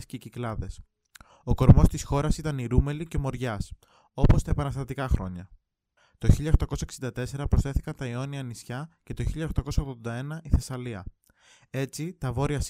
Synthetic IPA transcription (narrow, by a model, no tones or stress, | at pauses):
sceiciklɐðe̞s | o̞ko̞ɾmo̞st̪isxo̞ɾɐsit̪ɐniɾume̞lice̞mo̞ɾʝɐs | o̞po̞st̪ɐepɐnɐst̪ɐt̪ikɐxɾo̞̰ɲɐ | t̪o̞çiʎɐoxt̪ɐko̞sɐeksind̪ɐt̪e̞se̞ɾɐpɾosθe̞θikɐnt̪ɐio̞niɐnisçɐce̞t̪o̞çiʎɐoxt̪ɐko̞sɐoɣðond̪ɐe̞nɐʔiθe̞sɐliɐ | e̞t͡sit̪ɐvo̞ɾiɐs